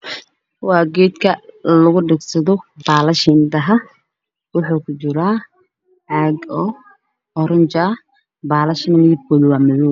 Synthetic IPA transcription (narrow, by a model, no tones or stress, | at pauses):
wɑːɡɛːd̪kʰɐlɐɣʊɖɪɡsɐðɔbaːlɐʃɪnd̪ɐɦɐ | wʊħukʰʊt͡ʃɪɾaː | ʕaːɡɔː | ɔɾɐɲt͡ʃa | baːlɐʃɪnmɪðɪb̚kʰɔːðɐwaːmɐðuː